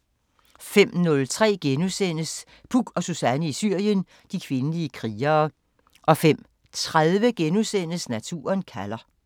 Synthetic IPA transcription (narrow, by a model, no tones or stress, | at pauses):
fem̰nɔ̽lt͡sʰʁɛ̰ːɡ̥enusen̰əs | b̥uɡ̥ɒ̽susænəisyɐ̰jən | d̥ikʰʋe̝nəliəkʰʁiːɐː | ʔɒ̽fem̰ | t͡sʰʁaðˠʋəɡ̥enusen̰əsnæt͡sʰṵːɐnkʰælɐ